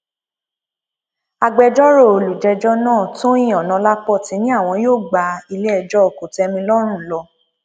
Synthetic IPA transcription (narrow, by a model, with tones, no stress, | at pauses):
a˧ɡ͡bɛ˧d͡ʒɔ˦ɾo˦˨o˨lu˨d͡ʒɛ˧d͡ʒɔ˦nãː˦˨to˦jĩ˦˨ɔ̃˨nã˧la˦k͡pɔ˦˨tĩ˨˧˦nĩ˦a˦˨w̃ɔ̃˧joː˦˨ɡ͡ba˧i˧le˦ɛ˧˨d͡ʒɔ˦o˨ko˨tɛ˧mĩ˧lɔ˦ɾ̃ũ˦˨lɔ˧